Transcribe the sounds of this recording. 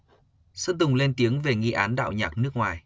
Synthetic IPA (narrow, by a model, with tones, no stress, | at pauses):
sə˦˥n̚t̪ʊ˨˩ŋ͡mle˧nt̪i˨˦əŋve˨˩ŋḭ˧ʔaː˨˦nɗa̰ː˧˨wɲaː˨˩k̚nɨ˦˥ək̚ŋwaː˨˩j